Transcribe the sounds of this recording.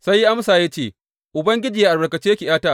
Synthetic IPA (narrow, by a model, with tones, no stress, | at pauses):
sa˦jːi˦ʔa˦msaː˨ja˦t͡ʃeː˦˨ | ʔʊ˨bɐ˦ŋɡʲɪ˦d͡ʒiː˨ja˦ʔa˨bɐ˨kɐ˨t͡ʃeː˦jɐ˦kʲi˨jaː˦taː˦˨